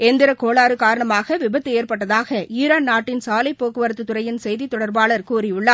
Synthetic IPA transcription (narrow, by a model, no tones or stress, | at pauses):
ɛnd̪ɪɾɐkoːɭaːɾɯkaːɾɐɳɐmaːɣɐʋɪbɐt̪ːɯeːrpɐʈːɐðaːɣɐʔiːɾaːnnaːʈːɪnsaːlɐɪpːoːkːɯʋɐɾɐt̪ːɯt̪ʊɾɐjɪnsɛjðit̪ːɔɽɐɾbaːɭɐɾkuːrɪʊɭːaː